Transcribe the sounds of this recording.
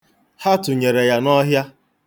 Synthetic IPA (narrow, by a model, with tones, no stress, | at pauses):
ha˦tʊ˨ɲe˨ɾe˨ja˦nɔ˦ɦja˦